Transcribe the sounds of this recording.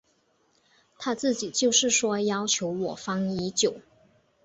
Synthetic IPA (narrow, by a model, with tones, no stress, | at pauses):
t̪ʰa˥t͡sɹ̩˥˩t͡ɕi˨˩t͡ɕjo˥˧ʊʂɻ̩˥˩ʂwɔ˥jɑ˥ʊt͡ɕʰjo˧˥ʊwɔ˨˩fɑ˥ŋi˧˥t͡ɕjo˨˩˦ʊ